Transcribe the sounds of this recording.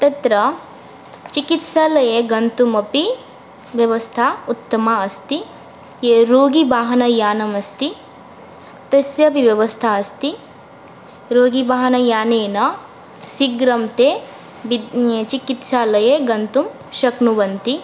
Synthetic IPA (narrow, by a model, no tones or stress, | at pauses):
t̪ɐt̪ɾɐ | t͡ʃikit̪ʃaːlɐjeɡɐnt̪umɐpi | ʋjɐʋɐst̪ʰaːut̪ːɐmaɐst̪i | jeɾoːɡibaːɦɐnɐjaːnɐmɐst̪i | t̪ɐsjɐpiʋjɐʋɐst̪ʰaɐst̪i | ɾoːɡibaːɦɐnɐjaːneːnɐ | siɡɾɐmt̪e | bit͡ʃikit̪ʃaːlɐjeɡɐnt̪um | ʃɐknuʋɐnt̪i